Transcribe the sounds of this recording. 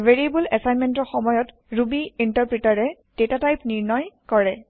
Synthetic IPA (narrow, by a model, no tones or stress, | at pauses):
vʱeɹiebulɛsajnmɛntɔɹxɔmɔjɔt | ɹubiintaɹpɹitaɹɛd̥etatajpniɹnɔjkɔɹɛ